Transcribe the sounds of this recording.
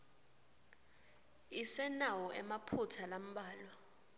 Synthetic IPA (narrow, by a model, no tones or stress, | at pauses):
isɛnawɔʔɛmapʰutʰalam̩ɓaːlɔ